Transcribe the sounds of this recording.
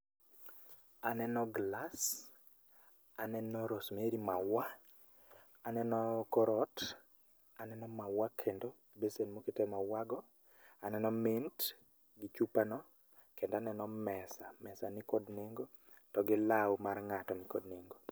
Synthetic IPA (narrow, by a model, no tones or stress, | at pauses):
anɛnɔɡlas | anɛnɔɾosmeɾimawa | anɛnɔkɔɾɔt | anɛnɔmawakʰendo | besenmoketemawaɡɔ | anɛnɔmint | ɡɪt͡ʃupanɔ | kendanɛnɔmɛsamɛsanɪkodneŋɡo | tɔɡɪlawmarŋatɔnɪkodneŋɡo